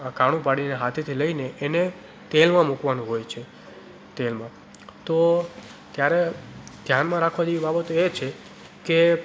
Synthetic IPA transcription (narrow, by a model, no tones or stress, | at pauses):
akaɽ̃ũpaɽineɦat̪ʰit̪ʰiləineʔːne | t̪elmãmukʋanũɦojt͡ʃʰe | t̪elmã | t̪ot̪jaɾed̪̥ʱjanmãɾakʰʋãd͡ʒeʋibabət̪oet͡ʃʰe | ke